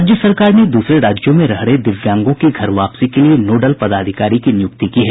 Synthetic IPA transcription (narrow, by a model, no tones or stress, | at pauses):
d͡ʒjəsɐɾkaːɾned̪uːsɾeɾaːd͡ʒjõmẽɾɐɦɽed̪ɪʋjãːŋɡõkiɡʱɐɾʋaːpsikelienoːɖəlpɐd̪aːd̪ʱɪkaːɾikinɪjʊk̚t̪ikiɦɛː